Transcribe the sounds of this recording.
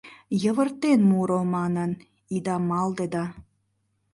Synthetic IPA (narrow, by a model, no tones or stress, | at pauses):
jə̆βə̆rt̪ːenmuɾomɑnə̆n | id̪ɑmɑld̪ed̪ɑ